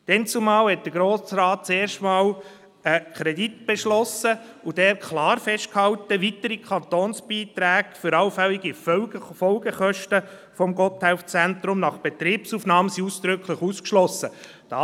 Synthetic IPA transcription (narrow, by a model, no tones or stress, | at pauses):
d̥ɛnt͡sumɑːlhɛt̚d̥əɡɾoːsrɑːt̚t͡seːɾʃtmɑːl | əkʰɾɛdit̪b̥eʃlɔsəud̥ɛːɾkʰlɑːɾfɛʃt̚khɑltəʋitəɾikʰχɑnt̪oːnsb̥iːt̪ɾæːɡ̥fʏɾɑwfɛliɡifəfɔlɡəχœʃtə | fɔmɡɔthæʊft͡sænt̪ɾʊmnɑχb̥et̪ɾiːpsuːfnɑːməsiuːsd̪̥ɾʏkʰləχuːskʃlɔsə | d̥ɑ